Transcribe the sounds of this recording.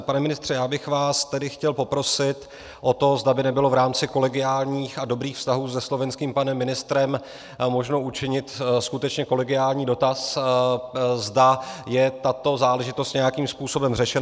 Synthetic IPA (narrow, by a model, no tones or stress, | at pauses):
panɛmɪnɪst̪r̝̥ɛjaːbɪxvaːst̪ɛdɪxcɛlpo̞pɾo̞sɪt̪ | ʔo̞t̪o̞zdabɪnɛbɪlo̞vɾaːmt͡sɪko̞lɛɡɪaːlɲiːxado̞bɾiːxfst̪aɦuːzɛslo̞vɛnskiːmpanɛmːɪnɪst̪ɾɛm | mo̞ʒno̞ʔut͡ʃɪɲɪt̪skut̪ɛt͡ʃɲɛko̞lɛɡɪaːlɲiːdo̞t̪as | zdajɛt̪at̪o̞zaːlɛʒɪt̪o̞st̪ɲɛjakiːmspuːso̞bɛmrɛʃɛn